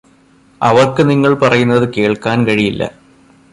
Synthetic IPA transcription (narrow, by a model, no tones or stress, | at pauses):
ɐʋɐrkːɨniŋːɐɭpɐrɐjunːɐðɨkeːɭkaːnkɐɻijilːɐ̰